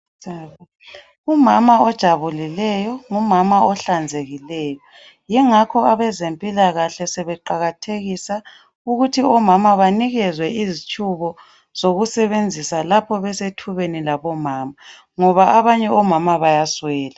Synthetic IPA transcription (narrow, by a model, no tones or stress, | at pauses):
a | umamaɔd̥ʒ̥ʱaβulilɛjɔŋumamaɔɬand͡zʱeɣilɛːjɔ | jɛŋakʰɔaβɛzempʼilaɣaɬɛsɛβɛǃaɣatʰeɣisa | uɣutʰiɔmamaβaniɣɛzwɛizit͡ʃʼuβɔ | z̥oɣusɛβend͡zʱisalapʰɔβɛsetʰuβenilaβɔmaːma | ŋɔβaaβaɲɛɔmamaβajaswɛːla